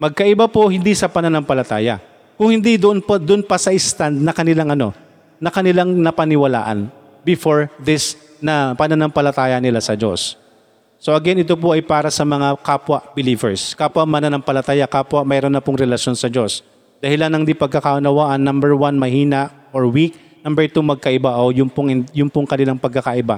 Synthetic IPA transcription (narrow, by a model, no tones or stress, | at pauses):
mɐɡ̚kɐʔɪbapohɪnd̪isɐpɐnɐnɐmpɐlɐt̪aːjɐ̰ | kʊŋhɪnd̪id̪ʊʔonpɐd̪ʊonpɐsɐʔɪst̪and̪̚nɐkɐnɪlaŋʔɐno̞ | nɐkɐnɪlaŋnɐpɐnɪwɐla̰ːʔɐ̰n | bɪfoɹd̪ɪs | nɐpɐnɐnɐmpɐlɐt̪aːjɐnɪlasɐd͡ʒo̞̰sː | oʔɐɡɛnɪt̪op̬oʔɐjpaːɾɐsɐmɐŋakaːpwɐʔbɪliːvɛɹskaːpwɐmɐnɐnɐmpɐlɐt̪aːjakaːpwɐmɛːɾonːɐpʊŋɾɛlɐʃjo̞nsɐd͡ʒo̞s | d̪̥ɐhɪlanɐŋd̪ipɐɡ̚kɐkaʔɐnɐwaːʔɐnːɐmbɛɹwanmɐhiːnɐʔ | oɹwik̚ | nɐmbɛɹt̪umɐɡ̚kɐʔɪbaʔojʊŋpʊŋɪnjʊŋpʊŋkɐnɪlaŋpɐɡ̚kːɐkaʔɪba̰